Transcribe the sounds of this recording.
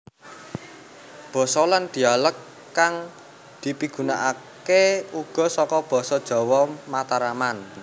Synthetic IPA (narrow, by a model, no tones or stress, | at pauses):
b̥ɔ̤sɔland̪̥i̤aləkː | aŋ | d̪̥i̤piɡ̥ṳnaʔa | keuɡ̥ɔ̤sɔkɔb̥ɔ̤sɔd̥ʒ̥ɔ̤wɔmat̪aɾaman